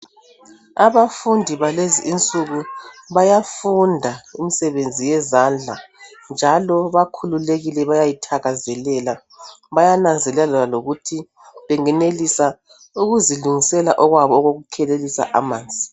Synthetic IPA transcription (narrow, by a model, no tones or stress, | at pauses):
aβafundʱiβaleziʔint͡sʼuɣuβajafundʱaimisɛβend͡zʱijɛzand͡ɮʱa | nd͡ʒʱalɔβakʰululeɣilɛβajajitʰaɣazɛlɛla | βajanand͡zʱɛlɛlaaloɣutʰi | βɛŋɛnelisa | uɣuziluŋisɛlaʔɔɣwaβɔɣoɣukʰɛlelisa̰ʔamaːnd͡zʱi